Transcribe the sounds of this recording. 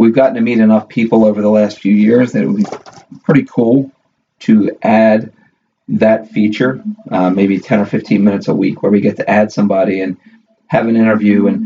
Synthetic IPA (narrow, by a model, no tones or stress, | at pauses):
wivɡɑʔn̩tʰɨmiɾɨnʌfpʰipl̩ˠoʊvə˞ðəlæstfjʉjɪɹzðɨ̰t̚wə̰lˠbipʰɹ̥ɪɾikʰulˠ | tʰɨʔæd̪̚ | ðɨtfit͡ʃə˞meɪbitʰɛ̃ñə˞fɪftʰĩnmɪ̃ñɨtsə̰wḭkʰwə˞wiɡɛtʰɨʔæd̥sʌ̃mbɑɾiɨ̃n | ɨvɨ̃nɪ̃ɾ̃ə˞vjʉɨ̃n